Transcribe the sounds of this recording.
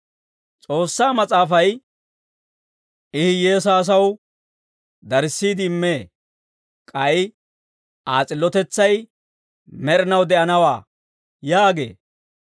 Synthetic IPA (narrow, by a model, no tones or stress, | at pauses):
t͡sʼo̞ːsːaːmɐt͡sʼaːfɐj | ʔɪhɪje̞ːs̬aːs̬ɐw | d̪ɐɾsːiːd̪ɪmːe̞ː | kʼɐj | ʔaːt͡sʼɪlːɔt̪ɛt͡sːɐj | mɛɾɪnɐwd̪ɛʔɐnɐwaː | jaːɡe̞̰ː